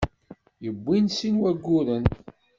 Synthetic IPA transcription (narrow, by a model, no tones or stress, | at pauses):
jəbʷːinsinwæɡːuɾən